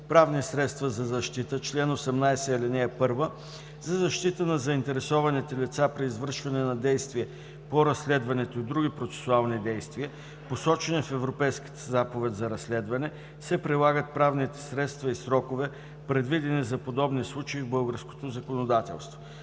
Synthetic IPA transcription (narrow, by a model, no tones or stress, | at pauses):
pɾavnisɾɛt̪st̪vəzɐzɐʃt̪it̪ət͡ʃlɛnosɛmnajsɛɛlɛnɛpɤɾvə | zɐzɐʃt̪it̪ənɐzɐint̪ɛɾɛsɔvɐnit̪ɛlʲit̪sapɾiːzvɤɾʃvɐnɛnɐd̪ɛjst̪viɛ | poɾɐslɛd̪vɐnɛt̪oid̪ɾuɡipɾot̪sɛ̥sʊalˠnid̪ɛjst̪viə | posɔt͡ʃɛnifɛvɾopɛjski̥t̪ə̥zapovɛd̪zɐɾɐslɛd̪vɐnɛ | sɛpɾilˠaɡət̪̚pɾavnit̪ɛ̥sɾɛt̪st̪vɐisɾɔkovɛ | pɾɛd̪vid̪ɛnizɐpod̪ɔbnislˠut͡ʃɐivbɤlˠɡəɾsko̥t̪ozɐkonod̪at̪ɛ̰lˠst̪vo